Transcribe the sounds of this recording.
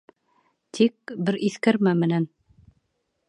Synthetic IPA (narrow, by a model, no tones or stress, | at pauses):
t̪ʰik̚bɘɾʔiθkæɾmæmɘ̆næn